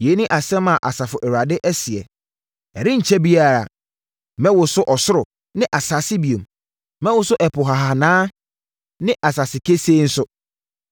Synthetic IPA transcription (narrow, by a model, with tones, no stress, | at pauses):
je˨˦nɪ̃˦ʔa˨sɛ̃˦mã˨ʔa˨sa˨fʊ˨ʔɛ˨ɾa˨dɪ˦ʔæ˦si˨ɛ˨ | ɛ˨ɾɪ̃˦ɲ̩˨t͡ɕʰɛ˦bi˦a˦˨ɾa˨ | mɛ̃˦wʊ˨sʊ˦ʔɔ˨sʊ˦ɾʊ˨ | nɪ̃˦ʔa˨sa˨sɪ˦bi˨o˨m | mɛ̃˦wʊ˨˦sʊ˦ʔɛ˨pʰʊ˨ɦa˨ɦa˨nãː˦ | nɪ̃˦ʔa˨sa˨sɪ˨kʰe˦se˦n̩˦sʊ˦